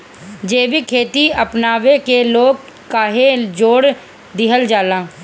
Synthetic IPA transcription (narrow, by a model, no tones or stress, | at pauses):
d͡ʒeːbikʰeːt̪iəpnaːʋekeloːɡ̚ | kaːɦed͡ʒoːɽ | d̪ɪɦəld͡ʒaːlãː